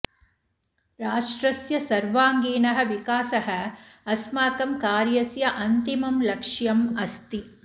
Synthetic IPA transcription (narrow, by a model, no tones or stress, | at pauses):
ɾaːʂʈɾɐsjɐsɐɾʋaːŋɡiːnɐɦɐ̆ʋikaːsɐɦɐ̆ɐsmaːkɐmkaːɾjɐsjɐʔɐnt̪imɐmlɐkʂjɐmɐst̪i